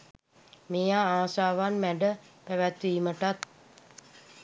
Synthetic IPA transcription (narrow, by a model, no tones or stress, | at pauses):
mejaaːsaːʋanmæɖəpæʋæt̪ʋiːməʈat̪